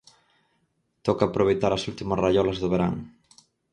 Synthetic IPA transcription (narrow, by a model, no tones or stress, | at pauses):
t̪ɔkaːpɾoβ̞ejt̪aɾɐsult̪imɐsrajɔlɐzðʊβeɾa̰ŋ